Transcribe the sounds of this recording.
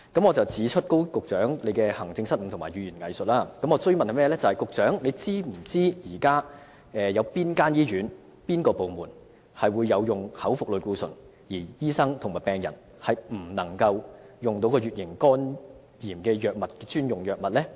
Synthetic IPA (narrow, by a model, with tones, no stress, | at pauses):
kɐ˨˥mŋɔː˨˧t͡sɐ˨wt͡siː˨˥t͡ʃʰɵ˥t̚ko˥wkʊ˨k̚t͡sœː˨˥ŋle˨˧jkɛː˧hɐ˨˩ŋt͡sɪ˧ŋsɐ˥t̚m̩˨˧˩t̪ʰʊ˨˩maː˨˩jyː˨˩jyː˨˩nŋɐ̰˨jsɵ˨t̚laː˥kɐ˨˥mɔː˨˧t͡sɵ˥ɥmɐ˨nhɐ˨˧mɛː˥˨lɛː˥t͡sɐ˨whɐ˨jkʊ˨k̚t͡sœː˨˥ŋle˨˧jt͡siː˥m̩˨˩t͡siː˥jiː˨˩kaː˥ | ɛː˨jɐ˨˧wpiː˥nkaː˥njiː˥ɥyː˨˥n | piː˥nkɔː˧po˨wmuː˨˩n | hɐ˨jwuː˨˧jːɐ˨˧wjʊ˨ŋhɐ˨˥wfʊ˨k̚lɵ˨ɥkuː˧sɵ̰˨˩n | jiː˨˩jiː˥sɐ˥ŋt̪ʰʊ˨˩ŋmaː˨˩jpɛː˨˩ŋjɐ˨˩n | hɐ˨jm̩˨˩nɐ˨˩ŋkɐ˧wjʊ˨ŋt̪o˨˥wkɔː˧ɥyː˨t̚jɪ˨˩nkɔː˥n | jiː˨˩mkɛː˧jœː˨k̚mɐ˨t̚kɛ˧t͡ʃyː˥njʊ˨ŋjœː˨k̚mɐ˨t̚lɛː˥